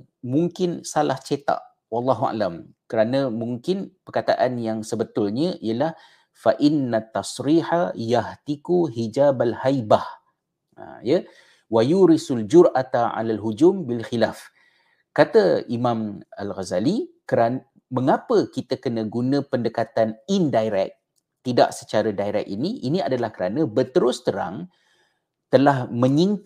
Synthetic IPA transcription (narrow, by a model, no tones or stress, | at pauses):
mũŋkɪnsalaht͡ʃet̪a̰ʔ | wɑlˤːɑɦua̰lamkəɾanə̃mũŋkɪnpərkat̪aʔanjaŋsəbət̪ʊlɲə̃ʔiəlah | faʔɪnːat̪ːɑsɾiħajaht̪ikuɦid͡ʒaːbalhajbah | jə | wajuɾɪsald͡ʒʊɾʔat̪aʕa̰lalɦud͡ʒʊmbilxilaf | kat̪aimãma̰lɣazalikəɾan | məŋapəkit̪əkənə̃ɡunə̃pəndəkat̪anindajɾɛ̰k̚ | t̪ida̰ʔsə̥t͡ʃaɾadaiɾɛ̰k̚iniʔinĩadalahkəɾanə̃bət̪əɾʊst̪əɾa̰ŋ | t̪əlahmə̃ɲĩn